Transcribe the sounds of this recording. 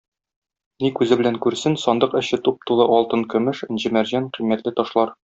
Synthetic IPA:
nikʉzɘ̆bɘ̆læŋkʉɾsɘnsɒnd̪ɤqɘ̆ɕɘt̪up̚t̪ulˠɤʔɒlˠt̪ɤnkɵ̆mɘʃɘ̆nʑɘ̆mæɾʑæɴqimːæt̪lɘt̪ɒʃlˠɑɾ

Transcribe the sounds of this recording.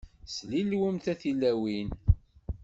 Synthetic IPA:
slilwəmθæθilːæwin

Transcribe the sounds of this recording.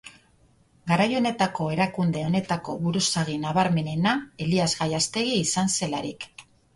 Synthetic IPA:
ɡaɾajo̞ne̞t̪ako̞e̞ɾakund̪e̞o̞ne̞t̪ako̞βuɾusaɣinaβaɾme̞ne̞nae̞liazɣajast̪e̞ɣ̞iːsanse̞laɾḭk

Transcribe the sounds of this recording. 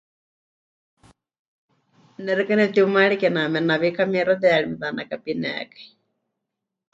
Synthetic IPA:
nɛɾɛkanɛt̪iumaɺikɛnamɛnaβikamɛɾɔðɛaɺimɛðanakapinɛ̰kḁ

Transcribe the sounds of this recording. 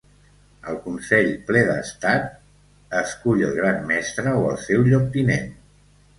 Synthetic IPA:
əlˠkunsɛʎplɛðə̰st̪at̪ | əskuʎəlˠɣ̞ɾanmɛst̪ɾəoə̰lˠsɛwʎok̚t̪inen

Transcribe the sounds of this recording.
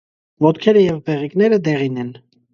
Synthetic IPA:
vɔt̪kʰɛɾəjɛvbɛʁiknɛɾəd̪ɛʁinɛn

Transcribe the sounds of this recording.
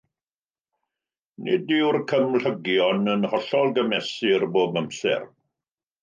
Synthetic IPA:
nɪ̰dɪwrkʰəmɬəɡjɔnənhɔɬɔlˠɡəmɛsɪrboːbməmsɛ̰r

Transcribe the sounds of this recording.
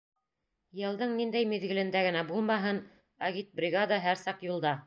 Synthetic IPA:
jɤ̆lˠd̪ɤɴnind̪æjmiðɡɘ̆lɘ̆nd̪æɡɘ̆næbulˠmɑɦɤn | ɑɣit̪̚brʲɪɣad̪ɑɦæɾsɑqjulˠd̪ɑ

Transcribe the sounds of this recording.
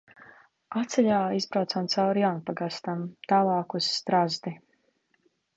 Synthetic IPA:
at̪sɛʎʲaːizbɾawt̪samt̪sawɾjawnpaɡast̪amt̪aːlˠaːkusːt̪ɾazd̪i

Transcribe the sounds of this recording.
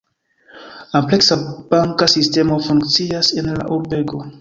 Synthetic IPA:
lampleksab̥aŋkasiste̞mo̞fuŋkt͡siase̞nla̰ʔuɾbe̞ɡo̞

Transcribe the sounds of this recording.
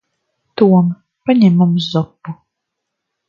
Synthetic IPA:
t̪uɔm | paɲʲɛmumszɔpːu

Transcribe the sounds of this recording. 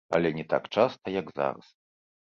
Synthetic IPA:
a̰lʲɛnʲɛt̪a̰kt͡ʂast̪ɐjaɡza̰ɾɐ̰s

